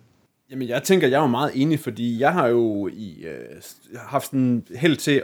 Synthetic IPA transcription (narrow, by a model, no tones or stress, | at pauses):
jæmənjɑ̈ɪt͡sʰeŋ̰ɡ̥ɐjɑ̈ɪʋɑ̈mɑ̈ːð̞̩ˠe̝ːnifɒ̽d̥ḭːjɑ̈ɪɦɑ̈jo̝i | hɑ̈fd̥snɦel̰t͡sʰe̝